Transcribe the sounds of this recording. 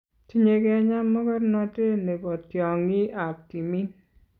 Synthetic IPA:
ti˦ɲe˨ke˦a˦ɲa˦mːɔ˦kɔ˦ɾnɔ˦te˦ne˨kɔ˨tjɔ˨ŋi˦a˨p̚ti˨mi˦n

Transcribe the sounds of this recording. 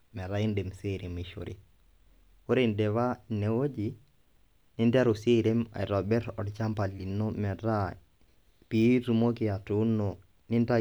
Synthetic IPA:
mɛ˨ɾa˦ɪ˦nde˨mse˦˨ɾe˨mi˨ʃo̰˨ɾʔḭ˦ | o˦ɾe˦˨ndɛ˨βa˦ne˨wo˦d͡ʒi˨ | nɪ˦nda˦ɾo˨se˦˨ɾe˦ma̰˨ɪ˨ɾɔ˨bɛ˦ɾɔ̰˨dt͡ʃa˦mpa˨li˨no˦mɛ˨ɾa˦ | pi˨˦tu˨mo˦kɪ˨a˨tu˦no˨ | nɪ˦nta˦

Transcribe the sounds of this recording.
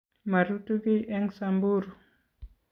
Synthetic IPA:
ma˨ɾutuki˦ʔɛ˦ŋsambuɾu˨

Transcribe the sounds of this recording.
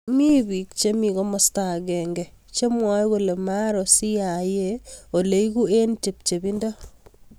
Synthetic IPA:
mi˦bi˨k̚t͡ʃe˦mi˨kɔ˦mɔ˦sta˨ɡɛ˨ŋɡɛ˨ | t͡ʃe˦mwa˦jko˨le˨ma˦ɾɔ˨si˦ja˨jeo˨le˨iku˦e˦nt͡ʃe˨p̚t͡ʃe˨bi˦ndɔ˦

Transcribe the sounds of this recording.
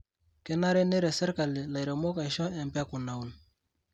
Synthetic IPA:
kɛ˦na˦ɾɛ˦ne˦ɾɛ˨sɛ˦ɾka˨lɪ˨la˨jɾɛ˨mɔ˦ka˨jʃɔ˦ɛ˨mpɛ˦ku˨na˨u˨n

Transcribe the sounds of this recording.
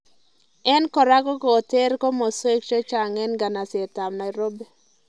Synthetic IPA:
ɛ˦nkɔ˨ɾa˦kɔ˦kɔː˨te˦ɾko˦mɔ˨swe˦k̚t͡ʃo˦t͡ʃa˨ŋɛ˦nɡa˨na˨sɛ˨ta˨mna˨i˨ɾo˦be˦

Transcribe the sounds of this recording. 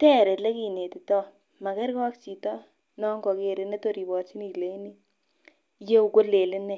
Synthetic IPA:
tɛ˦˨ɾe˨le˦ki˦˨ne˨ti˨tɔ˦ | mɐ˨kɛ˦ɾkɔ˦kt͡ʃi˨tɔ˦ | nɔ˦ŋɡɔ˨ke˨ɾɪ˦ne˦to˨ɾi˨bɔ˨rt͡ʃi˦ni˨le˦i˦ni˦ | je˦u˨ko˦le˨lɪ˦ne˦

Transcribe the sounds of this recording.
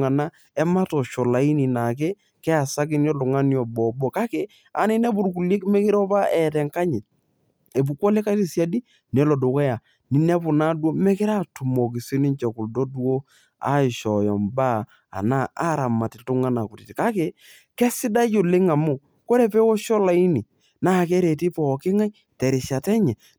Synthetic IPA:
ŋa˨na˦ | ɛ˦ma˦tɔ˨ʃɔ˨la˨i˦ni˨na˨k̬e˦ | kɛ˦a˨sa˦kɪ˦njɔ˦lʊ˨ŋa˦njɔ˨bɔ˨bɔ˦ka˦ke˨ | a˨nɪ˦nɛ˦bu˨ɾk̬u˨li˦kmɛ˦kɪ˦ɾɔ˦pa˦ɛ˨tɛ˨ŋka˦ɲɪ˨ | e˨bu˨kɔ˦le˦ka˦ti˦˨sja˦di˦ | nɛ˨lɔ˨do˨kɛ˦ja˨ | nɪ˨nɛ˦pʊ˨na˦du˦o˦mɛ˦kɪ˦ɾa˦tu˨mɔ˨k̬i˨si˦nɪ˦nt͡ʃɛ˨ku˨ldo˦do˦ | a̰˦ɪ˨ʃɔ˨jɔ˨mba˦ | a̰˨na˦a˦ɾa˨ma˨tɪ˨tʊ˦ŋa˦na˨kʊ˨ti˨tka˦ke˨ | kɛ˦sɪ˦da˦jo˨le˦ŋa˨mʊ˦˨ | ko˦ɾe˨pɛ˦wɔ˦ʃɔ˦la˨i˦ni˨ | na˦˨kɛ˦ɾe˨ti˦pɔ˨kɪ˦ŋa˦j | tɛ˨ɾɪ˨ʃa˨tɛ˦ɲɛ˨

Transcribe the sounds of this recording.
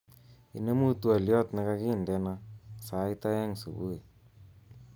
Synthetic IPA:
ḭ˨ne˦mu˦tu˦a˨ljɔ˦t̪na˨˦ka˦ki˦˨ndɛ˦na˦sa˨˦i˦ta˦jɛ˦ŋsu˨bu˦e˨

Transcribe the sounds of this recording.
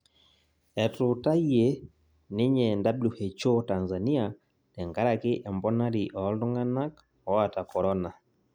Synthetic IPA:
ɛ˨tu˨ta˦je˨ | ne˦ɲɛ˨nda˦blu˨he˨t͡ʃo˦ta˨nza˨ni˦a˨ | nɛ˨ŋɡa˦ɾa˨ke˦ʔɛ˨mbɔ˦na˦ɾi˨ʔɔ˨˦ldu˦ŋɡa˦na˦k | ɔ˨a˨ta˨kɔ˨ɾɔ˦na˨

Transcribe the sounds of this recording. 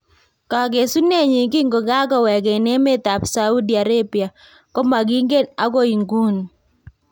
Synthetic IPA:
ka˨ɡe˨su˦ne˦ɲi˨ɡi˦ŋɡo˨ɡa˦kɔ˦wɛ˨ɡe˨ne˦me˦t̪a˨psa˦u˦di˨a˨ɾe˦bi˨a˨ | kɔ˦ma˨ɡi˦ŋɡe˦na˦ɡo˦i˨ŋɡu˦n˨

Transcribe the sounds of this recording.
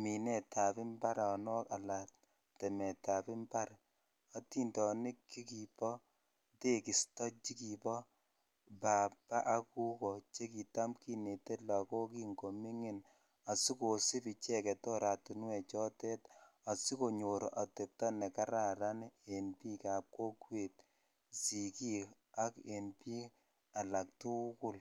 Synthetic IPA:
mi˨nɛ˨tʰa˨pɪ˦mba˦ɾɔ˨nɔ˦ka˨la˨t | tɛ˨mɛ˨ta˨pɪ˦mba˦ɾ | a˦ti˦ndɔ˨nɪ˦kːi˦ki˨pɔ˦ | te˦ki˨stɔ˦t͡ʃi˦ki˨pɔ˦ | ba˨ba˦ʔa˦ku˦kɔ˨t͡ʃe˦ki˨ta˦mki˦ne˨te˦lɔ˨kɔ˦ki˦ŋɡo˨mi˦ŋi˨n | a˨si˦ko˨si˦pi˨t͡ʃɛ˦kɛ˨tɔ˦ɾa˨tu˨n˦wɛ˨t͡ʃɔ˦tɛ˦ta˨si˦ko˨ɲo˨ɾa˨te˨p̚tɔ˦nɛ˨ka˦ɾa˦˨ɾa˦ne˨npi˦ka˨p̚ko˦kwe˨t | si˨ki˦ | a˦ke˨npi˦ | a˨la˨k̚tʊ˦kʊ˦l

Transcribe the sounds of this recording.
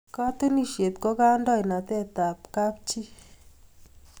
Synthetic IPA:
ka˦t̪e˦ni˦˨ʃje˨t̪ko˦ka˦ndɔ˦˨jna˨t̪ɛ˦˨t̪a˨p̚ka˦p̚t͡ʃi˦

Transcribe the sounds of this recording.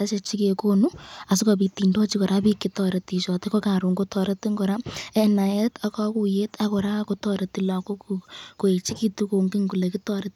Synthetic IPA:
a˦t͡ʃe˧t͡ʃi˦ke˨ko˦nu˦a˨sɪ˦kɔ˨bi˨ti˨ndɔ˦t͡ʃi˦kɔ˨ɾa˦pi˦kitɔ˨ɾe˨ti˨ʃɔ˨te˦kɔ˦ka˨ɾu˨ŋɡo˦tɔ˨ɾe˦ti˦ŋɡɔɾa˦ɛ˦na˨je˦ta˦kɔ˦ku˨je˦ta˦kɔ˨ɾa˦ko˦tɔɾe˨ti˨la˨ko˦kuko˨e˨t͡ʃi˦ki˦tu˦ko˨ŋɡi˦ŋku˨le˨ki˦tɔ˦ɾe˦t

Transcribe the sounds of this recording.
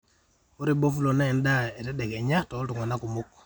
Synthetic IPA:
o˦ɾibo˦fu˦lo˨na˦ɛ˨nda˦e˨tɛ˦de˨ke˨ɲa˦ktɔ˨˦ltu˨ŋa˨na˦ku˨muk

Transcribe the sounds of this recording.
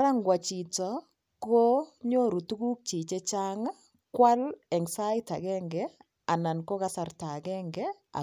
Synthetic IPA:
ɾa˦ŋɡwa˨t͡ʃi˨tɔ˨ | ko˦ɲo˦ɾu˨tu˦ku˦k̚t͡ʃi˨t͡ʃe˦t͡ʃa˦ŋa˦ | kwa˦lɛ˨ŋsa˦jta˨kɛːŋɡɛ | a˨na˨nko˦ka˦sa˦rta˨kɛŋɡɛ | a̰˨

